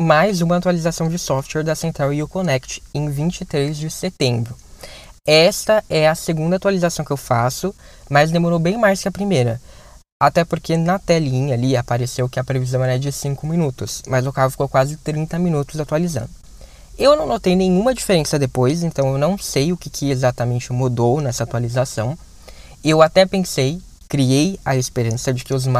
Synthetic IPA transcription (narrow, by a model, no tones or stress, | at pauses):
majzũmɐːt̪walizasɐ̃w̃d͡ʒɪsɔft͡ʃwɛɾd̪ɐsẽnt̪ɾawiʊkonɛkt͡ʃɪ̥ẽj̃vĩnt͡ʃɪt̪ɾejzd͡ʒɪset̪ẽmbɾʊ | ɛst̪ɐɛɐseɡũnd̪ɐat̪ualizasɐ̃w̃kɪewfasʊmɐzd̪emoɾowbẽj̃majskɪɐpɾimejɾɐ | at̪ɛpoɾkenɐt̪ɛlĩɲɐliapaɾesewkɪɐpɾevizɐ̃w̃ɛlɛd͡ʒɪsĩkʊmĩnut̪ʊsmɐzʊkahʊfi̥kowkwazɪt̪ɾĩnt̪ɐmĩnut̪ʊzat̪ualizɐ̰̃nd̪ʊ | ewnɐ̃w̃not̪ejnẽj̃ũmɐd͡ʒifeɾẽsɐd̪epojs̬ẽnt̪ɐ̃w̃ewnɐ̃w̃sejʊkɪkʰɪezat̪ɐmẽnt͡ʃɪmud̪ownɛsɐat̪ualizasɐ̃w̃ | ewat̪ɛpẽsej | kɾiejɐespeɾɐ̃sɐd͡ʒɪkɪʊzm